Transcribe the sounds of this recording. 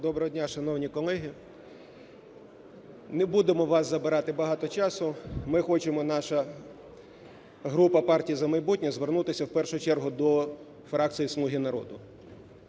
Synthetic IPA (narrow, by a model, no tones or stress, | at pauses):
d̪ɔbɾɐɦɔdʲnʲaʃɐnɔwnʲikɔlˠɛɦɪ | nɛbud̪emɔʋɑszɐbɪɾɑt̪ɪbɐɦɑt̪ɔt͡ʃɑsʊmɪxɔt͡ʃemɔnɑʃɐ | ɦɾupɐpɑrtʲijizɐmɐjbutʲnʲɛzʋernut̪ɪsʲɐwpɛrʃʊt͡ʃɛrɦʊd̪ɔ | fɾɑk̪̚t͡s̪ijislˠuɦʲinɐɾɔ̰d̪ʊ